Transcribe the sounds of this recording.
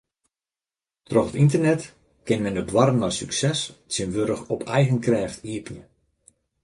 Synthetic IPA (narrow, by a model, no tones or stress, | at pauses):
trɔxətintərnɛt | kɪnmɛndədwɔɾənɔjsyksɛssɪnʋøɾəxɔpʰɛjɣənkrɛːftiəpjə